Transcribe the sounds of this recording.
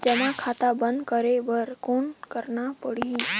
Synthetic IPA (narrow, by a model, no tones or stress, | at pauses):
d͡ʒəmakʰat̪abənd̪kəɾeʋəɾkonkəɾnapəɽ̤i